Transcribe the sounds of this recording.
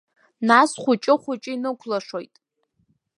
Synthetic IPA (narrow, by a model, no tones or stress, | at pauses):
nasχʷʊt͡ʃʼɪχʷʊt͡ʃʼɪinɨkʷʰlaʂojtʼ